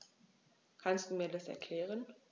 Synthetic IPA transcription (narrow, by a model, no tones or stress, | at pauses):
kʰanstd̥uːmiːɐdasɛ̰ɐkʰl̥ɛːʁ̞ən